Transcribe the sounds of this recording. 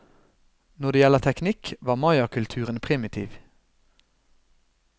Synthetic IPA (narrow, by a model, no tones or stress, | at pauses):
nɔʁd̪eːjɛləʁt̪ʰɛknɪkʋɑːmɑɪɑkʰʉlt̪ʰʉːʁənpʰʁɪmɪt̪ʰḭːʋ